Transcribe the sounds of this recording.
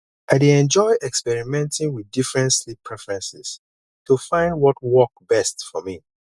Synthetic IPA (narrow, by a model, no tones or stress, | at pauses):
ʔaɪdeɛ̃nd͡ʒɔɪʔɛkspɛɹimɛ̃ntʰĩŋwidifɹɛ̃ntslipʰːɹɛfɹɛ̃nsɪs | tʰufãɪ̃ndwɔt̚wɔk̚b̥ɛstfɔmi